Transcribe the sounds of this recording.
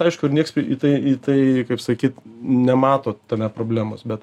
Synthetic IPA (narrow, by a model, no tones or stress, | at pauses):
ɐɪʃkʊɪɾnʲiɛkspʲɪʔit̪ɐɪit̪ɐɪkɐɪpsɐkʲiːt̪nʲɛmɑːt̪oːt̪ʲɛnʲæpɾoːbʲlʲæːmo̰ːsbʲɛt̪